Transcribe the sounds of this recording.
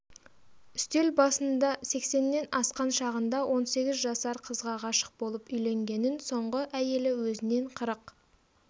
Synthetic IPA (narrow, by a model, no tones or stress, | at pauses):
ʏst̪e̞lbɑsənd̪ɑse̞kse̞nːe̞nɑsqɑnʃɑʁənd̪ɑwʔo̞nse̞ɡʲɪzʒɑsɑɾqʰəzʁɑʁɑʃə̥q̚bo̞lˠəpʏjle̞ŋɡʲe̞nɪnso̞ɴʁəʔæje̞lɪwɵzɪne̞ɴqʰəɾəq